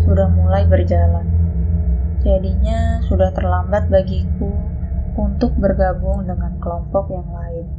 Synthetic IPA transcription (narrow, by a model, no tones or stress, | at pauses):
sudahmulajbərd͡ʒalan | d͡ʒadiɲasudaht̪ərlambat̪̚baɡikuunt̪ʊk̚bərɡabʊŋdəŋankəlɔmpɔk̚jaŋlaɪn